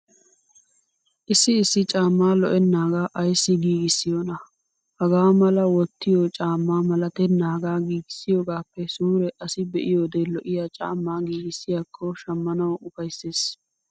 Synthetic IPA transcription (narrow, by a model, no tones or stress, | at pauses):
ʔɪsːɪːsːɪt͡ʃʼaːmːaːlɔʔɛnːaːɡaːʔɐjsːɪɡiːɡɪsːɪjoːnɐ | hɐɡaːmɐlɐwɔt̪ːɪjoːt͡ʃʼaːmːaːmɐlɐt̪ɛnːaːɡaːɡiːɡɪ̥sːɪjoːɡaːpːɛsuːɾɛʔɐsɪbɛʔɪjoːd̪eːlɔʔɪjat͡ʃʼa̰ːmːaːɡiːɡɪsːɪjaːkʰːɔʃɐmːɐnɐwʊfɐjsːeːs